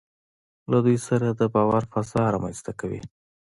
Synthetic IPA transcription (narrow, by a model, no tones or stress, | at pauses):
lad̪ujsaɾad̪əbɑwaɾfasɑɾɑmanst̪akawḭ